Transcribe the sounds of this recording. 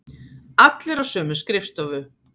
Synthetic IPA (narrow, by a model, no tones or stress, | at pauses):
at̪lɪɾawsœːmʏskɾɪft̪avʏ